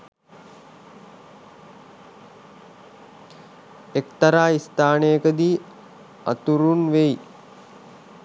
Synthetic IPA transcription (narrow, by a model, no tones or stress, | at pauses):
ekt̪aɾaːist̪aːnəjəkəd̪iː | a̰t̪uɾunʋej